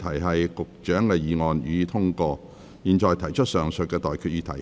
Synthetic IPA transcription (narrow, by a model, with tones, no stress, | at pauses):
t̪ʰɐ˨˩jɦɐ˨jkʊ˨k̚t͡ʃœː˨˥ŋkɛ˧jiː˨˧ŋɔː˨njyː˨˧t̪ʰʊ˥ŋkɔː˧ | jiː˨nt͡ʃɔː˨jt̪ʰɐ˨˩jt͡ʃʰɵ˥t̚sœː˨˩ŋsɵ˨t̚kɛː˧t̪ɔː˨jkʰyː˨˧t̚jyː˧t̪ʰɐ˨˩j